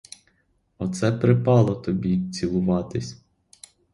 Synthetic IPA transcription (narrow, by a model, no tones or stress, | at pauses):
ɔt̪sɛpɾɪpɑlˠɔt̪ɔbʲit͡sʲilˠʊʋɑt̪ɪsʲ